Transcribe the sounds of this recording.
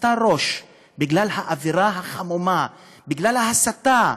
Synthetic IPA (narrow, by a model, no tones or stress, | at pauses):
taʁo̞ʃ | biɡlalhaʔaviʁaɦaχamoma | biɡlalahasat̪a